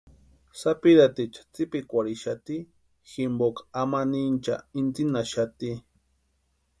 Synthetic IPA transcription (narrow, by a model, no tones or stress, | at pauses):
sapiɾat̪it͡ʃḁt͡sipikʷaɽiʃat̪i | ximbokḁamanint͡ʃa̰int͡s̪inaʃat̪i